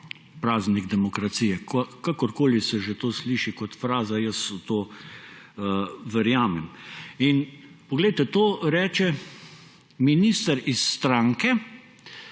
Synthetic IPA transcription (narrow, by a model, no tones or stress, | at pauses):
pɾaːzniɡd̪ɛmɔkɾat̪siːjɛkɔkakɔɾkoːlisɛʒet̪oːsliːʃikɔt̪fɾaːzajəsut̪oː | ʋɛɾjaːmɛminpɔɡlɛɪt̪ɛt̪oːɾɛːt͡ʃɛ | minist̪əɾisːt̪ɾaːŋkɛ